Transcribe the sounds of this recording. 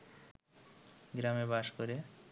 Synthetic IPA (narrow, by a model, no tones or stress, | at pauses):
ɡɾamebaʃkoɾe